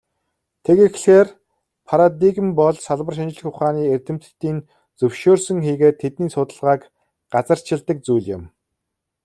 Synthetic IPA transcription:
t̪ʰekexɬxeːr | pʰaɾad̪iɣmpɔɮsaɮwə̆rʃint͡ɕɪ̆ɮɘ̆xʊχaːniːert̪ɘ̆m̥t̪ːiːn | t͡sɵwʃoːrsɵ̆ŋxiːɣeːt̪ʰːet̪niːsʊt̪ə̆ɮʁaːk | ɢ̥at͡sə̆r̥t͡ɕʰɪ̆ɮt̪ə̆k̚t͡sujɮjɪ̰̆m

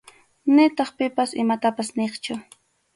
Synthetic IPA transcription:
nɪt̪ɑχpɪpasɪmat̪apasneχt͡ʃʊ

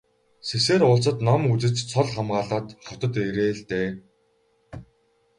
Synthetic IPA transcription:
seseːɾʊːɮt͡sə̆t̪nɔmut͡sɘ̆t͡st͡sʰɔɮχamɢaːɮaːt̪χɔt̪ə̆t̪eɾeːɮt̪eː

